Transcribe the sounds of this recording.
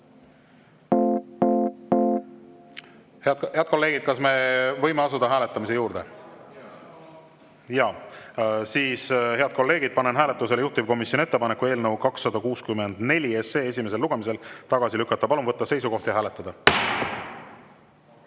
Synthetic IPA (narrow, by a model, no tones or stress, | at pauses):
hhe̞ɑd̪̚ko̞lːe̞ːɡ̥id̪̥̚kɑsme̞vɤjmeɑsud̪̥ɑɦæːle̞t̪ːˑɑmis̬e̞juːɾd̪̥e̞ | jɑ | siːshe̞ɑd̪̥̚ko̞lːe̞ːɡid̪̥̚pɑne̞nɦæːle̞t̪ːˑuselejuht̪uvko̞misjonie̞t̪ːpɑnekːue̞ːlnəwkɑksːɑd̪ɑkuːskymːe̞nd̪̥ne̞lʲiese̞ːesʲime̞s̬e̞lːuɡ̥e̞mis̬e̞lt̪ɑɡ̥ɑsilykːˑɑt̪ːɑpɑlumvɤt̪ːɑse̞js̬uɡo̞ht̪jɑɦæːle̞t̪ːˑɑd̪̥ɑ